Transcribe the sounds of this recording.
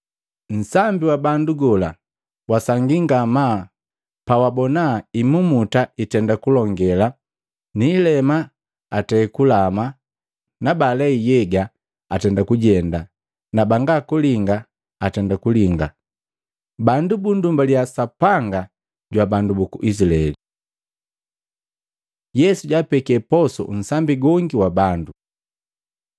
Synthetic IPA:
n̩sambiwabanduɡɔla | wasaŋɡiŋɡama | pawabɔnaimumutaitɛndakulɔŋɡɛla | niːlɛmaː | tɛkulama | nabalɛijɛɡa | atɛndakuɟɛnda | nabaŋɡakuliŋɡa | atɛndakuliŋɡa | bandubundumbaljasapaŋɡa | ɟwabandubukuʔis̬ilaɛ̰li | jɛsuɟapɛkɛpɔsɔ̰n̩sambiɡɔŋɡiwabandu

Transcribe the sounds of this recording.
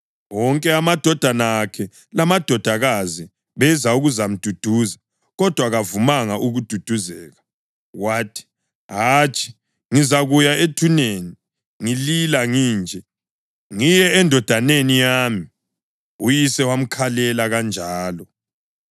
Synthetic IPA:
wɔŋkʼɛamad̥ʱɔd̥ʱanaːkʰɛ | lamad̥ʱɔd̥ʱaɣazi | βɛzauɣuzam̩d̥ʱud̥ʱuːza | ɣɔd̥ʱwaɣavumaŋaʔuɣud̥ʱud̥ʱuzɛːɣa | waːtʰi̥ | ɦaːt͡ʃʰʼi̥ | ŋizaɣujaetʰuneːni | ŋililaŋiːnd͡ʒʱɛ | ŋijɛɛndʱɔd̥ʱanenijaːmi | ujisɛwam̩kʰalɛlaɣand͡ʒʱaːlɔ

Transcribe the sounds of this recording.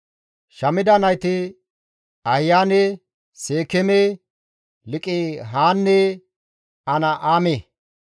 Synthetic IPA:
ʃɐmɪd̪ɐnɐjt̪ɪ | ɐhɪjaːne | seːkɛme | lɪkʼɪɦaːnːe | ɐnɐʔaːmeː

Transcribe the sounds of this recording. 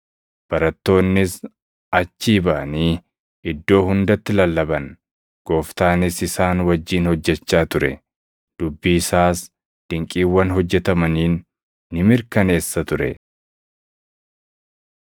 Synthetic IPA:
b̥ɐɾɐt̪ːo̞ːnːɪs | ɐt͡ʃːiːbɐʔɐniː | ɪd̪ːo̞ːhʊnd̪ɐt̪ːɪlɐlːɐbɐn | ɡ̥o̞ːft̪aːnɪsɪsaːnwɐd͡ʒːiːnhɔd͡ʒːɛt͡ʃːaːt̪ʊɾɛ | d̪̥ʊbːiːsaːs | d̪̥ɪŋkʼiːwːɐnɦɔd͡ʒːɛt̪ɐmɐniːnː | ɪmɪɾkɐne̞ːsːɐt̪ʊɾɛ̰

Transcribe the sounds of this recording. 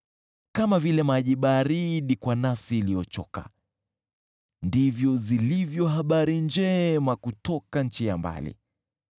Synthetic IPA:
kamavilɛmaʄiɓaɾiɗikwanafsiːlijɔt͡ʃɔ̰ka̰ | ndivjɔzilivjɔɦaɓaɾind͡ʒɛmakutɔkan̩t͡ʃijamba̰lḭ

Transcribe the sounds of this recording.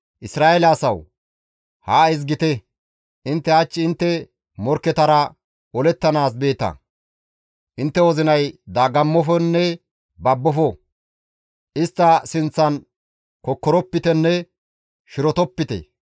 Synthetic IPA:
ʔɪsɾaːɛlaːsɐw | haɪz̬ɡɪt̪ɛ | ʔɪnt̪ːɛat͡ʃːɪɪnt̪ːɛ | mɔɾkːɛt̪ɐɾɐ | ɔlɛt̪ːɐnaːs̬be̞ːt̪ɐ̰ | ʔɪnt̪ːɛwɔzɪnɐjd̪aːɡɐmːɔfɔnːɛ | bɐbːɔfɔ | ʔɪst̪ːɐsɪnt͡sːɐn | kɔkːɔɾɔpːɪt̪ɛnːɛ | ʃɪɾɔt̪ɔpːɪt̪ɛ̰

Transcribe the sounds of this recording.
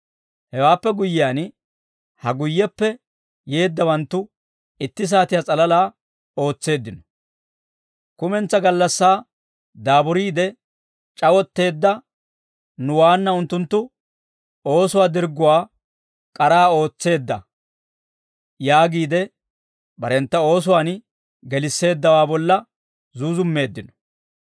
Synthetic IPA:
hɛwaːpːɛɡʊjːɪjaːn | hɐɡʊjːɛpːɛ | je̞ːd̪ːɐwɐnt̪ːʊ | ɪt̪ːɪs̬aːt̪ɪjat͡sʼɐlɐlaː | o̞ːt͡sːe̞ːd̪ːɪnɔ̥ | kʊmɛnt͡sːɐɡɐlːɐsːaː | d̪aːbʊɾiːd̪ɛ | t͡ʃʼɐwɔt̪ːe̞ːd̪ːɐ | nʊwaːnːɐʊnt̪ːʊnt̪ːʊ | o̞ːsʊwaːd̪ɪɾɡʊwaː | kʼɐɾaːo̞ːt͡sːe̞ːd̪ːɐ̰ | jaːɡiːd̪ɛ | bɐɾɛnt̪ːɐo̞ːs̬ʊwaːn | ɡɛlɪsːe̞ːd̪ːɐwaːbɔlːɐ | zuːzʊmːe̞ːd̪ːɪnɔ̥

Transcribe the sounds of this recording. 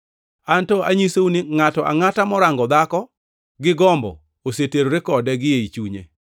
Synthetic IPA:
antɔʔaɲisounɪŋatɔʔa̰ŋatamɔɾaŋɡɔd̪akɔ | ɡɪɡɔmbɔ̰ | oseteɾoɾɪkɔdɛɡɪjeit͡ʃuɲḛ

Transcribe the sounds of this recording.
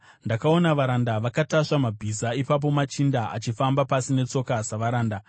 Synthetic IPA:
ndakao̞naʋaɾandaʋakataʂamabʱisaipap̬o̞mat͡ʃindaʔa̰t͡ʃifambapasine̞t͡so̞kasaʋaɾaːnda

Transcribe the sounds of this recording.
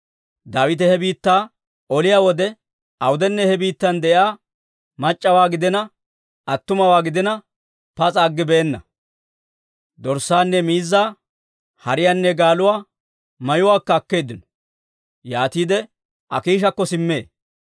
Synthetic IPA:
d̪aːwɪt̪ɛhɛbiːt̪ːaː | ɔlɪjaːwɔd̪ɛ | ʔɐwʊd̪ɛnːɛhɛbiːt̪ːɐnd̪ɛʔjaː | mɐt͡ʃʼːɐwaːɡɪd̪ɛnɐ | ɐt̪ːʊmɐwaːɡɪd̪ɛnɐ | pɐt͡sʼaːɡːɪbeːnːɐ̰ | d̪ɔɾsaːnːɛmiːzːaː | hɐɾɪjanːɛɡaːlʊwaː | mɐjʊwaːkːɐːkːe̞ːd̪ɪnɔ̥ | jaːt̪iːd̪ɛ | ʔɐ̰kiːʃɐkːɔsɪmːḛː

